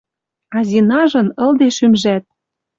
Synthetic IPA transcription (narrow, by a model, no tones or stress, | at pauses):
ɑzʲinɑʒɤ̆nɤ̆ld̪eʃymʒæt̪̚